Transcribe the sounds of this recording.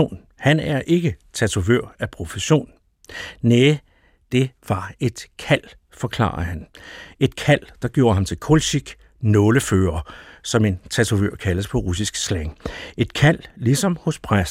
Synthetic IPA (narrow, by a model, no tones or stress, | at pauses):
o̝̰ːn | hænæɐʔe̝ɡ̥ət͡sʰæt͡sʰuʋø̰ɐ̰æpʰʁo̝fəɕo̝̰ːnː | eː | d̥e̝ʋɑ̈e̝d̥kʰæl̰ | fɒ̽kʰlɑ̰̈ːɑɐhæne̝d̥kʰæl̰d̥ɑ̈ɡ̥jo̝̰ːɐhɑ̈mt͡sʰe̝lkʰolɕiɡ̥ | nɔ̽ːləføːɐsɒ̽me̝nt͡sʰæt͡sʰuʋøɐ̰kʰæləspʰɒ̽ʁusisɡ̥sleŋe̝d̥kʰæl̰lisɒ̽mhɔ̽spʰʁas